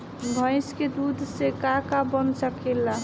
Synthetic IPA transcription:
bʱə̃ɪ̃sked̪ud̪ʱsekakabənsəkela

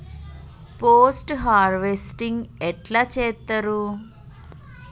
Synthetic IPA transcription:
poːsʈɦaːɾʋesʈiŋɡɛʈlaːt͡ʃɛːt̪ːɐɾu

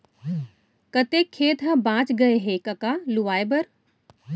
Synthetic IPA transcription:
kɐt̪ekʰːeːt̪ɦɐ̃bãːt͡ʃɡɐeɦekɐkaluʋaːebɐɾ

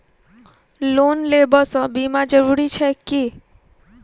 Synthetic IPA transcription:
lonlebəsə̃bimad͡ʒəɾuɾit͡ʃʰɛki

